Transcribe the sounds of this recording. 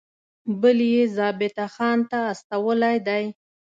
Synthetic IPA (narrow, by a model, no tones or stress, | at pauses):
bəljezɑbɪt̪axɑnt̪aːst̪awəlajd̪aj